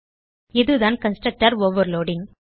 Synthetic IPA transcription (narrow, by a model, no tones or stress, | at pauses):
ɪðɯðaːnkɐnsʈɾɐk̚ʈaːɾoːʋɐɾloːɖɪŋ